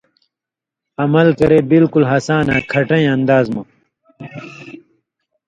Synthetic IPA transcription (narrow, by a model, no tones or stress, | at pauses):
ɐmɐlkɐɾeːbilkulɦɐsaːnaːkʰɐʈɐ̃ĩɐnd̪aːzmɐ